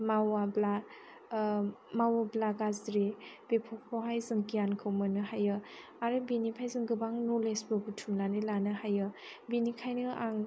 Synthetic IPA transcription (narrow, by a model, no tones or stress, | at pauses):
mawabla | mawablaɡazɾib̥epʰɔk̚pʰɔwɦajzɯŋkijankʰɯwmɯnɯɦajɯ | aɾɯbinipʰajzɯŋɡɯbaŋnolesbɯbutʰumlanɯlanɯhajɯ | binikʰajnɯʔaŋ